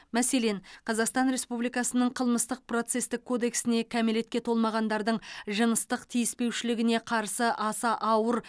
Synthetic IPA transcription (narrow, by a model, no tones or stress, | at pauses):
mæse̞le̞nqʰɑzɑqst̪ɑnɾe̞spublijkɑsənəɴqʰəlˠməst̪əq̚pro̞t̪se̞st̪ɪkʰːo̞d̪e̞ksɪne̞kʲʰæme̞le̞t̪̚kʲe̞t̪ʰo̞lˠmɑʁɑnd̪ɑɾd̪əɴʒənəst̪əqt̪ʰijɪspe̞wʃɪlɪɡʲɪne̞qʰɑɾsəʔɑsɑʔɑwəɾ